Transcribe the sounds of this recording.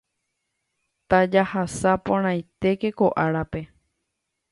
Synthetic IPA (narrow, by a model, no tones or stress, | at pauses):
t̪ad͡ʒahasapõɾ̃ãj̃t̪e̞ke̞koʔaɾape̞